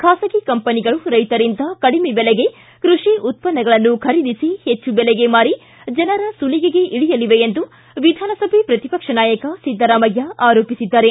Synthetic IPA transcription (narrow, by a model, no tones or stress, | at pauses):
kʰaːsɐɡikɐmpɐniɡɐɭuɾɐjt̪ɐɾind̪ɐkɐɽimebɛlɛɡe̞ | kɾuʂiʔut̪̚pɐnːɐɡɐɭɐnːukʰɐɾid̪isihet͡ʃːubɛlɛɡe̞maːɾi | d͡ʒɐnɐɾɐsuliɡeɡe̞ʔiɽijɐliʋe̞end̪u | ʋid̪ʱaːnɐsɐbʱepɾɐt̪ipɐkʂɐnaːjɐkɐsid̪ʱːɐɾaːmɐɡjɐʔaːɾoːpisid̪ːaːɾe